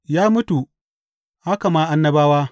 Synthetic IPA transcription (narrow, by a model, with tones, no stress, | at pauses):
jaː˦mʊ˦tu˨ | ha˦ka˨maː˦ʔa˦nːɐ˦baː˦waː˦